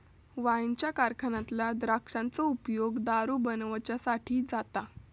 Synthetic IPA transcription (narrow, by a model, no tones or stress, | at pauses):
ʋaint͡ɕjakaɾkʰənãt̪lad̪ɾakʂãnt͡sɔupjoɡd̪aɾuːbənʋt͡ɕjasaʈʰiːd͡zat̪a